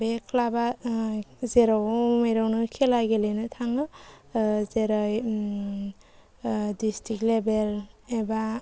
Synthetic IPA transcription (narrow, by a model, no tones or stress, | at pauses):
bekʰlaba | zeɾɔwmejɾɔwnɯkʰɛlaɡelenɯtʰaŋɯ | zeɾɔj | distʰik̚lebeleba